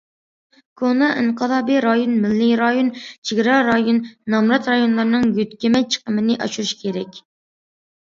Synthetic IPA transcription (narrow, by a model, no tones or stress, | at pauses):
kʰonɑʔiɴqʰəlˠɑːbiɾɑjonmɪlːiɾɑjont͡ʃʰiɡʲɾɑɾɑjonːɑmɾɑt̪ɾɑjonlˠɨɾnɨŋɡyt̪kʲɛmɛt͡ʃʰə̥qəmɨnɪʔɑ̰ʃuɾuʃkʲʰeɾɛkʲ